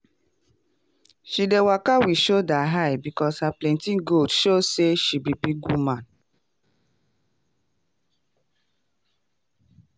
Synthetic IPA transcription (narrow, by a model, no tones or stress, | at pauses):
ʃidewakawiʃodaɦajbikɔshaplɛ̃ntĩnɡoldʃoseʃibibiɡumãn